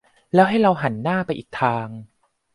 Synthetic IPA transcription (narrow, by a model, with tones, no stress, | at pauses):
lɛː˦˥wɦa˥˩jɾa˧wɦa˩˦nːaː˥˩pa˧jʔiː˨˩k̚t̪ʰaː˧ŋ